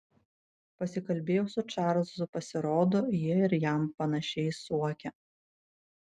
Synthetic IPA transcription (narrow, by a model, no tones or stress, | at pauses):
pɐsʲɪkɐlʲbʲeːjɛʊsʊt͡ʃɑˑɾzʊpɐsʲɪɾoːd̪oːjiɛɪɾjæˑmpɐnɐʃʲɛɪsuɔkʲɛ